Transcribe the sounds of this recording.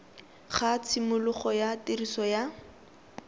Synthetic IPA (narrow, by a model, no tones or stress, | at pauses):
χat͡sʰɪmʊlʊχɔjatirisɔja